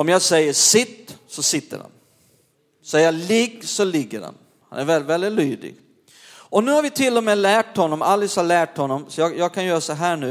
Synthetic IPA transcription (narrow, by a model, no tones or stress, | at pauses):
ɔmjɑːɡsɛjːəʂɪt̪ːsɔsɪt̪ːə̰ɾha̰n | sɛjalɪɡsɔlɪɡːə̰ɾa̰n | ha̰næɾvɛlvɛld̪ɪt̪lyːd̪ɪ̰ɡ̥ | ɔnʉ̟ːhaɾvɪt̪ʰɪlːɔmeːlæːʈhɔnːɔmalːɪshaɭæːʈhɔnːɔmsɔjɑːjɑːɡ̚kʰanjœːɾasɔɦæːɳʉ̟ː